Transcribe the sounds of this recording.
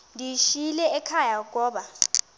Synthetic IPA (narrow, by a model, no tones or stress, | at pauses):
ndʱiʃilɛɛkʰajaɡ̬ʼɔːɓa